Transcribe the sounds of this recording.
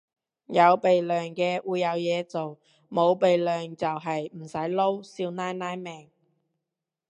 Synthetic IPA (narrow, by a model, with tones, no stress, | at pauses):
jɐ˨˧wpe˨jlœː˨ŋkɛː˧wʔuː˨˧jɐ˨˧wjɛː˨˧t͡so˨w | mo˨˧wpe˨jlœː˨ŋt͡sɐ˨wɦɐ˨jm̩˨˩sɐ˨˥jlo˥wsiː˧wnaː˥jnaː˥jmɛː˨˩ŋ